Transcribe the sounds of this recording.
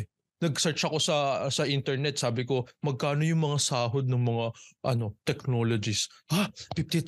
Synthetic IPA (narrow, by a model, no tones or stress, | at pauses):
nɐɡ̚sɛɹt͡ʃɐko̞sɐsɐʔint̪ɛɹnɛt̪̚saːbɪko̞mɐɡ̚kaːno̞jʊŋmɐŋasaːɦo̞d̪̚nɐŋmɐŋaʔɐno̞t̪ɛkno̞ːlod͡ʒɪshapɪp̚t̪i